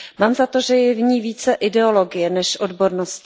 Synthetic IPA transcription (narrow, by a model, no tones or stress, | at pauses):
maːmzat̪o̞ʒɛjɛvɲiːviːt͡sɛʔɪdɛo̞lo̞ɡɪjɛnɛʃʔo̞dbo̞ɾnosc